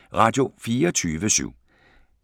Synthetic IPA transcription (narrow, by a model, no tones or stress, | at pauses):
ʁɑ̈d̥jo̝fiːɒt͡sʰyːʋəsy̰ʊ̰